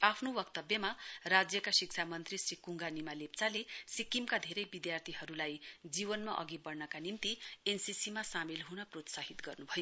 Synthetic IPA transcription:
apʰnowʌkt̪ʌbjʌmarad͡zjʌkasik̚t͡ʃʰamʌnt̪risikuŋɡanimalept͡salesikimkad̪ʱeɾʌjbid̪jart̪ʰiɦʌɾulajd͡zibʌnmaʔʌ̰ɡibʌrnʌkanimt̪iensisimasamilɦunʌprot̪saɦit̪ɡʌrnubʱʌjo

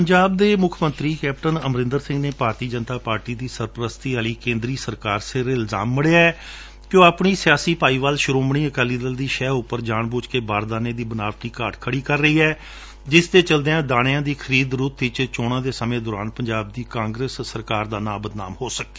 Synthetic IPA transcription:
pəɲd͡ʒaːb̚d̪eːmʊkʰmənt̪ɾiːkɛːpʈənəmɾɪ̃nd̪əɾsɪ̃ŋɡneːpaːɾt̪iːd͡ʒənt̪aːpaːɾʈiːd̪iːsəɾpəɾəst̪iːaːliːkẽːnd̪ɾiːsəɾkaːɾseɾɪlza̰ːmːəɽeːaːɛː | kjõːapɳiːsɪjaːsiːpaːiːʋaːlʃʊɾoːmɽiːəkɛːliːd̪əld̪iːʃɛːʊpːəɾd͡ʒaːɳbʊːt͡ʃkeːbaːɾd̪aːneːd̪iːbənaːʋʈ̪iːkaːɖkʰəɽiːkəɾːəiːɛː | d͡ʒɪst̪eːt͡ʃəld̪eãːd̪aːɽ̃ɪjãːd̪iːkʰəɾiːd̪ɾʊːt̪ʋɪt͡ʃt͡ʃoːɽãːd̪eːsəmẽːd̪ɔːɾaːnpəɲd͡ʒaːb̚d̪iːkãːŋɡɾesːəɾkaːɾd̪aːnãːbəd̪na̰ːmɦoːsəkːe̥ː

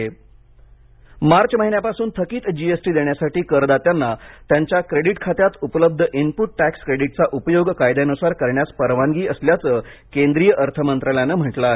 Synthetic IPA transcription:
maɾt͡ɕməɦinjapasuːnt̪ʰəkiːt̪d͡ʑiesʈiːd̪eɳjasaʈiːkəɾd̪at̪janːat̪jaɲt͡ɕjakɾeɽiʈkʰat̪jat̪upləb̚d̪ʱəʔinpuʈ̚ʈækskɾeɽiʈt͡saʔupəjoɡkajd̪anusaɾkəɾɳjaspəɾʋaŋɡiːəsljat͡səːkend̪ɾijəʔəɾt̪ʰəmənt̪ɾaljanəm̤əʈla

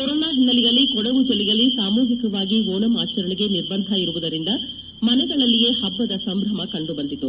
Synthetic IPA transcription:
kɔɾɔːnaːɦinːɐlijɐlːikɔɽɐʋud͡ʒɐlijɐlːisaːmuːɦikɐʋaːɡiɦoːlɐmaːt͡ʃɐɾɐɳiɡe̞niɾbɐnd̪ʱɐiɾuʋud̪ɐɾind̪ɐ | mɐnɛɡɐɭɐlːije̞ːhɐbːɐd̪ɐsɐmbɾɐmɐkɐɳɖubɐnd̪it̪ːu

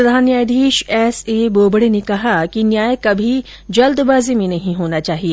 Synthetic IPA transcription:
pɾɐd̪ʱaːnjaːd̪ʱiːʃɛːseːboːbɽenekɐɦakinjaːjekɐbʱi | d͡ʒɐld̪baːzimẽnɐɦĩɦoːnat͡ʃaːɦieː

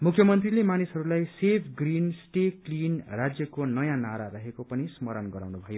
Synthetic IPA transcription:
mukʰjʌmʌnt̪rilemanisɦʌɾulajsepʰɡrinsʈeklinrad͡zjʌkonʌjãnaɾaɾʌɦekopʌnismʌɾʌnɡʌɾa̰wnubʱʌjo

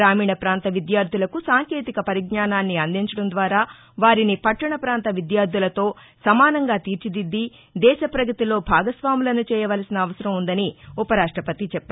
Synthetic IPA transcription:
ɾaːmiːɳɐpɾaːnt̪ɐʋid̪jaːɾd̪ʱulɐkusaːŋkeːt̪ikɐpɐɾiɡnaːnaːnːiɐnd̪iɲt͡ʃɐɽɐnd̪ʋaːɾaː | ʋaːɾinipɐʈːɐɳɐpɾaːnt̪ɐʋid̪jaːɾd̪ʱulɐt̪o̞ː | sɐmaːnɐŋɡaːt̪iːɾt͡ʃid̪id̪ːi | d̪ɛːʃɐpɾɐɡɐt̪ilo̞ːbʱaːɡɐsʋaːmulɐnut͡ʃɛːjɐʋɐlɐsinɐːʋɐsɐɾɐmund̪ɐniupɐɾaːʂʈɾɐpɐt̪it͡ʃɛpːɐ

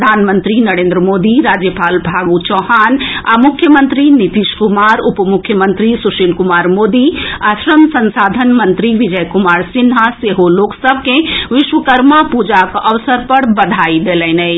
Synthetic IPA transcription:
d̪ʱaːnmə̃nt̪ɾinɐɾẽːnd̪ɾəmoːd̪iɾaːd͡ʒjəpaːlbʱaːɡut͡ʃɔːɦaːnamʊkʰjəmə̃nt̪ɾinit̪iʃkʊmaːɾʊpmʊkʰːjəmə̃nt̪ɾisuʃilkʊmaːɾmoːd̪iasɾəmsɐ̃nsaːd̪ʱənmɐ̃nt̪ɾiʋɪd͡ʒəjkʊmaːɾsɪnɦaseɦoloːksəb̚ʱkẽʋɪʃʋəkəɾmapud͡ʒakʔɐʋsəɾpɐɽbɐd̪ʱaːid̪eːlɛ̃nɛ

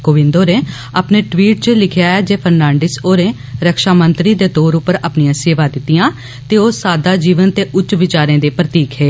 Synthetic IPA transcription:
koːʋɪ̃nd̪oːɾeː | əːpneːʈʋiːʈ̚t͡ʃəlɪkʰɪjaːɛːd͡ʒeːpʰəɾnãːɳɖɪsoːɾẽː | ɾəkʃaːmənt̪ɾiːd̪eːt̪oːɾʊpːəɾəpnijãːseːʋaːd̪ɪt̪ːɪjãː | t̪eːoːsaːd̪aːd͡ʒiːʋənt̪eːʔʊt͡ʃːʋɪt͡ʃaːɾẽːd̪eːpɾət̪iːkɦeː

